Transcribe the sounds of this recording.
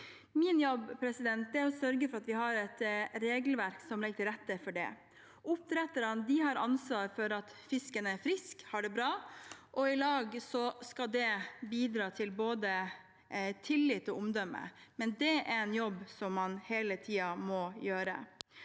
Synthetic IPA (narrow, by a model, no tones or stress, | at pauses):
mɪnjɔbpʰɾɛsɪd̪ɛnt̪̚d̪ɛæɾɔsœɾɡəfɔɾɑt̪ʋɪɦɑɾɛt̪ɾeːɡlʋæɾksɔmlɪɡət̪ʰɪɾɛt̪ːəfɔɖɛ̰ | ʔʊp̚t̪ɾɛt̪ːəɾɑnd̪ɪɦɑɾɑ̰nsʋɑːɾfɔɾɑt̪fɪskənəæɾfɾɪskhɑɖɛbɾɑːʔɔɪlɑːɡsɔskɑld̪ɛbiːd̪ɾɑːt̪ʰɪlboːd̪ə | t̪ʰɪlːɪt̪ːɔʊmd̪œmːə̰mɛnd̪ɛæɾɛnjɔbːsɔmːɑnheːlət̪ʰiːɑmɔjøːɾə̰